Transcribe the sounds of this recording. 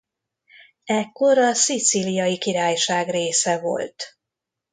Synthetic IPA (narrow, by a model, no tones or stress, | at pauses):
ɛkːo̞ɾɒsit̪silijɒjikiɾaːjʃaːɡreːsɛvo̞̰lt̪